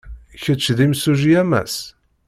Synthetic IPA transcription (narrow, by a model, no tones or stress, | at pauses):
çət͡sːðimsuʒiæmæ̰s